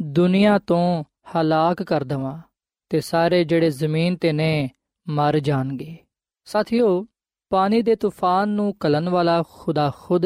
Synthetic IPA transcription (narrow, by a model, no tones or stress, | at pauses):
d̪ʊnɪjãːt̪õː | həlaːkːəɾd̪əʋãː | t̪eːsaːɾeːd͡ʒeːɽeːzəmiːnt̪eːnɛ̃ː | məɾd͡ʒaːnɡeː | saːt̪ʰijoː | paːniːd̪eːt̪uːpʰaːnːũːkələnʋaːlaːxʰʊd̪aːxʊd̪